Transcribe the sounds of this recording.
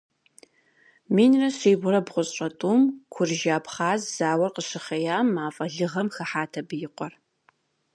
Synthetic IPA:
miːnrɐɕiːbʷʊɾɐbʁʷʊɕʼɐtʼuːmkʷʰʊrʒaːpχaːzz̥aːwɐrqəɕɪχɐjaːmːaːfʼɐɮɨʁɐmxɐħaːtʰɐbɨjɪqʷʼɔr

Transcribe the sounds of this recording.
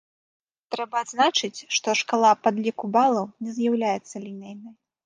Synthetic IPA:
t̪ɾɛbɐːd̪znat͡ʂɨt͡sʲʂt̪ɔʂkalˠapad̪lʲikubalˠɐwnʲɛzjawlʲajɛt̪sːɐlʲinʲɛjnɐj

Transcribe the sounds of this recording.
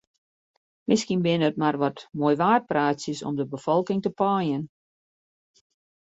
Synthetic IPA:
mɪskinbɪnət̚marʋɔtmoːjʋaːrt̚praːtsəsɔ̰mdəbəfɔlˠkɪŋtəpɔːjən

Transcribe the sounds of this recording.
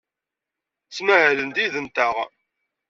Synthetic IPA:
t͡sːmæhælənt̪iðənt̪æʁ

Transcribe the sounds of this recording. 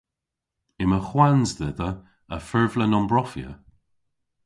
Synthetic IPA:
ɪməxwanzd̪ɛðə | əfɛɹvlənɔmbɹɔfjə̰

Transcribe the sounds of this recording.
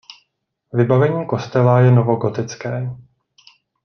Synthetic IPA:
vɪbavɛɲiːko̞st̪ɛlajɛnovo̞ɡo̞t̪ɪt͡skɛː

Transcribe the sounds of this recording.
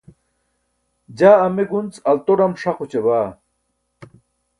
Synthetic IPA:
d͡ʑaːmeɡunt͡sɐlt̪oɽɐmʂaqut͡ɕebaː

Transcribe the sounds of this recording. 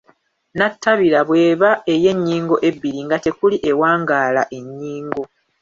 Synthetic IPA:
natʰːaβilaβwe̞ːβae̞je̞ɲːiːŋɡo̞ʔe̞bːiɾiŋɡate̞kuliʔe̞waːŋɡaːlaʔe̞ɲːiːŋɡo̞

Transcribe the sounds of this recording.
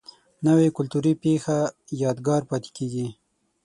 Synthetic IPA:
nawekʊlt̪uɾipexajɑd̪ɡɑɾpɑt̪e̥keɡi

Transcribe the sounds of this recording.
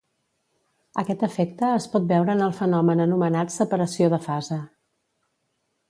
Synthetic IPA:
əkɛt̪əfɛk̚t̪əːspɔt̪̚bɛwɾəːnəlˠfənɔmənənumənat̪səpəɾəsioðəfazə

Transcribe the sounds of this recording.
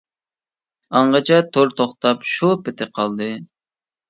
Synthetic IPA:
ɑɴʁɑt͡ʃʰɛt̪ʰoɾt̪ʰoχt̪ɑpʃupɪt̪ʰɪqʰɑlˠd̪ɨ

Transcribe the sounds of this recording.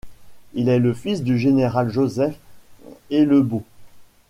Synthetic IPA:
ilɛləfisd̪yʒeneʁalʒozɛf | eləbo

